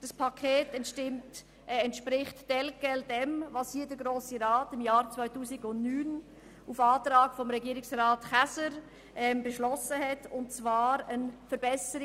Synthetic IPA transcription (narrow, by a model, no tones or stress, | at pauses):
d̥ɑspʰɑkʰeːtɛntʃtɪmt | ɛntʃpɾɪχtd̥ɛlkɛldɛmvɑshiːədəɾɡɾoːsiɾaːtɪmjaːɾt͡svaɪtuːsɪɡʊntnyːn | ufaːtɾaːɡ̥fɔmɾɛɡiːɾɪksraːtχasəɾ | ʔɛmbəʃlɔsəhɛtʊntt͡svaːɾənfəɾb̥ɛsəɾɪ